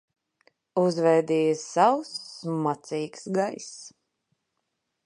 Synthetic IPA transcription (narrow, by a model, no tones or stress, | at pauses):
uzvɛjd̪iːjsawsmat̪siːksɡajs